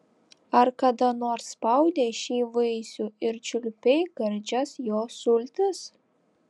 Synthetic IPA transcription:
ɐɾkɐd̪ɐnoːɾsspɐʊd̪ʲeːʃʲiːʋɐɪsʲuːɪɾt͡ʃʲʊlʲpʲɛɪɡɐɾʲd͡ʒʲɛsjoːsʊlʲt̪ʲɪs

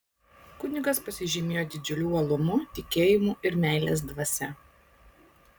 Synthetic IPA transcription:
kʊnʲɪɡɐspɐsʲɪʒʲɪmʲeːjoːd̪ʲɪd͡ʒʲʊlʲuːɐlˠʊmʊt̪ʲɪkʲeːjɪmuːʔɪɾmʲæˑɪlʲḛːs̬d̪ʋɐsʲɛ

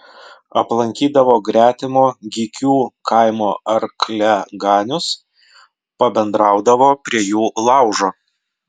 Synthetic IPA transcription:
ɐplˠɐŋʲkʲiːd̪ɐʋoːɡɾʲæːt̪ʲɪmoːɡʲikʲuːkʰɑɪmoːɐɾklʲɛɡɑːnʲʊs | pɐbʲɛnd̪ɾɑˑʊd̪ɐʋoːpʲɾʲiɛjuːlˠɑˑʊʒoː

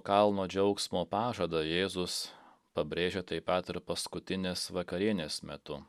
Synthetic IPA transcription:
kɐlˠnoːd͡ʒʲɛʊksmoːpɑːʒɐd̪ɐjeːzʊs | pɐbʲɾʲeːʒʲeːt̪ɐɪpɐt̪ɪɾpɐskʊt̪ʲɪnʲeːsʋɐkɐɾʲiɛnʲeːsmʲɛt̪ʊ

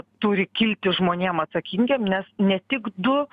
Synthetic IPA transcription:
t̪ʊɾʲɪkʲɪlʲt̪ʲɪʒmoːnʲeːmɐt̪sɐkʲiŋʲɡʲeːmnʲɛsnʲɛt̪ʲɪkd̪ʊ

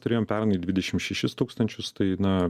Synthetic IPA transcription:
t̪ʊɾʲeːjoːmpʲæːɾɐnid̪ʲʋʲɪd̪ʲɛʃʲɪmʃʲɛʃʲɪst̪uːkst̪ɐnʲt͡ʃʲʊst̪ɐɪnɐ

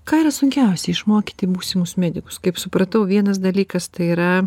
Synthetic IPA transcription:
kɑːiɾɐsʊŋʲkʲɛʊsʲɛɪʃmoːkʲit̪ʲɪmuːsʲɪmʊsmʲæːd̪ʲɪkʊ̥skɐɪpsʊpɾɐt̪ɐʊʋʲiɛnɐsd̪ɐlʲiːkɐst̪ɐɪiːɾɐ

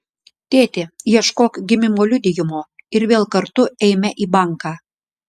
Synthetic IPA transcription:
t̪ʲet̪ʲejɛʃkokɡʲɪmʲɪmolʲyd̪ʲɪjʊmoɪɾʋʲeːlˠkɐɾt̪ʊɛɪmʲɛʔiːbɑŋkɑ

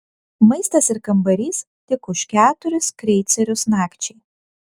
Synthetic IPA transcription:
mɐɪst̪ɐsɪɾkɐmbɐɾʲiːs | t̪ʲɪkʊʃkʲæːt̪ʊɾʲʊskɾʲɛɪt̪sʲɛɾʲʊsnɑːkt͡ʃʲɛɪ

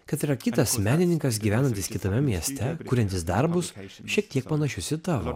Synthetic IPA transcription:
kɐt̪ɪɾɐkʲɪt̪ɐsmʲæːnʲɪnʲɪŋkɐs̬ɡʲiʋʲæːnɐnʲt̪ʲɪskʲɪt̪ɐmʲɛmʲiɛsʲt̪ʲɛkuːɾʲɛnʲt̪ʲɪsd̪ɐɾbʊsʃʲiɛk̚t̪ʲiɛk̚pɐnɐʃʲʊsʲɪt̪ɑːʋo̰

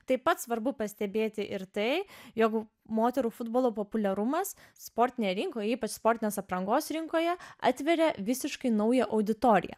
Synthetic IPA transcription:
t̪ɐɪpɐt̪sʋɐɾbʊpɐsʲt̪ʲɛbʲeːt̪ʲɪʔɪɾt̪ɐɪjoːk | moːt̪ʲɛɾuːfʊd̪boːlˠoːpoːpʊlʲɛɾʊmɐs | spoːɾʲt̪ʲɪnʲejɛɾʲɪŋkoːjɛiːpɐt͡ʃspoːɾʲt̪ʲɪnʲeːsɐpɾɐŋɡoːsɾʲɪŋkoːjɛɑ̰ːt̪ʲʋʲɛɾʲɛʋʲɪsʲɪʃkɐɪnɐʊjɛʔɐʊd̪ʲɪt̪oːɾʲɪ̰jɛ̰

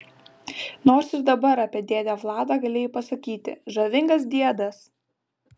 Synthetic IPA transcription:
noːɾsɪɾd̪ɐbɐɾɑːpʲiɛd̪ʲeːd̪ʲæʋlˠɑːd̪ɑːɡɐlʲeːjʊpɐsɐkʲiːt̪ʲɪ̰ʒɐʋʲɪŋɡɐs̬d̪ʲiɛd̪ɐs

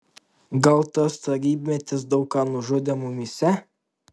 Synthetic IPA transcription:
ɡɐlˠt̪ɐst̪ɐɾʲiːbʲmʲɛt̪ʲɪsd̪ɒʊkɑːnʊʒʊd̪ʲemʊmʲɪsʲɛ

